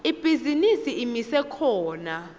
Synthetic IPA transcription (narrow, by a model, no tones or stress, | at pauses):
ib̥ʱizinisiimisɛkʰɔːna